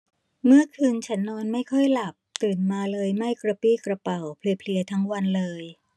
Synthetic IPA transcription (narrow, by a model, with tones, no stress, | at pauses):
mɯ˥˩ɐkʰɯː˧nt͡ɕʰa˦˥nːɔː˧nma˥˩jkʰɔ˥˩jla˨˩p̚t̪ɯː˨˩nmaː˧lɤː˧jma˥˩jkɾa˧piː˥˩kɾa˧pa˨˩wpʰli˧˩pʰli˧ɐt̪ʰa˦˥ŋwa˧nlɤː˧j